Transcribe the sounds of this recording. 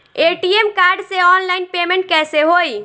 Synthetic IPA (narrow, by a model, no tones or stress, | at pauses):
eʈiemkaɾɖseɔnlajnpemẽɳʈkɛseɦoj